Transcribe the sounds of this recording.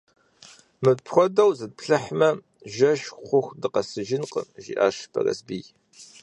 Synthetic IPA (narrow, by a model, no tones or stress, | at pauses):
mɨpʰxʷɔdɐwzɨd̚pɬɐħmɐ | ʒɐʃχʷʊxdɨqɐsɨʒɪnqə̰ʒḭʔa̰ːʃpʰɐ̰rɐ̰sbiːj